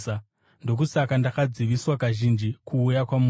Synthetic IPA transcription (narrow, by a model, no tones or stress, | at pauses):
a | ndo̞k̬usakandakad͡ziʋiswakaʒind͡ʒikʰuːjakwamu